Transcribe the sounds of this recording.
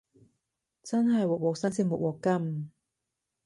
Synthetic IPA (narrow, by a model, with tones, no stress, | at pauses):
t͡sɐ˥nɦɐ˨jwɔː˨k̚wɔː˨˩k̚sɐ˥nsi˥ŋmṵ˨˩wɔː˨˩kːɐ˥m